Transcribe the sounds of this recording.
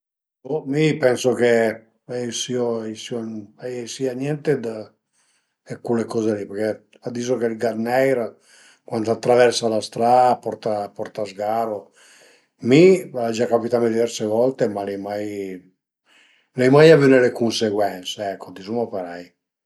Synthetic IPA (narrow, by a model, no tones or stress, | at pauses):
omipɛnsoke | ɛisioɛisioɛsianjɛnt̪ed̪a | ɛkːulekɔzelipɛɾke | ad̪ːisokelɡaɾnɛjɾa | kwand̪at̪ːɾavɛɾsalast̪ɾapɔɾt̪apɔɾt̪azɡaɾo | miad͡ʒakːapit̪amed̪ivɛɾsevɔlt̪emalɛjmaj | lɛjmajavenelekunseɡwɛnt̪seɛkʰːod̪isumopeɾaj